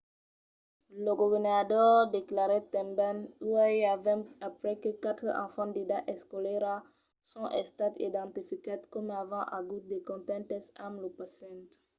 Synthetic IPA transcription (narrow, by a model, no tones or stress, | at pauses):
ləɡuvɛʁnadɔʁd̪eklaʁɛt̪ɛ̃mbanuɛjavɛ̃apɾɛkəkat̪əʔɑ̰̃fɑ̃d̪edaʔɛskɔlɛɾa | sɔ̃ʔɛst̪at̪ḭd̪ɑ̃t̪ifikad̪kɔmavɑ̃ʔaɡut̪̚d̪ekɔ̃t̪ɛ̃nt̪ɛsamlopasjɛ̃nt̪